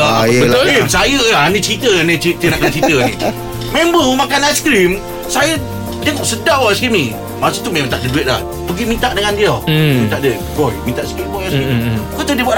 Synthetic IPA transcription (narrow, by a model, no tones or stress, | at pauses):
aəimsajəanĩt͡ʃɾit̪ənit͡ʃit̪iənaʔkənt͡ʃɾit̪əni | membəmakanaskɾim | sajə | dəŋɔʔsədawaskimni | masut̪umemat̪aʔdəduɪt̪̚la̰h | pəɡimĩnt̪aʔdəŋandiɔmit̪aʔdə | kojmĩnt̪aʔskɾimbɔaskikot̪ədibua